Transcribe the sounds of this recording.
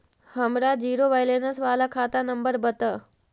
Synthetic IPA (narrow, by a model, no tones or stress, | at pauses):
həmɾaːd͡ʑiːɾoʋajleːnəs̬ʋaːlakʰaːt̪anəmbəɾbət̪ə